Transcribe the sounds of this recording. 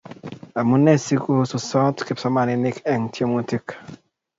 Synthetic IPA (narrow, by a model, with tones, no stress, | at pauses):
a˨mu˦ne˦˨si˦ku˦su˨sɔ˦tki˦psɔ˦ma˨ni˨ni˦kɛ˨ŋtʰi˦o˦mu˦ti˦k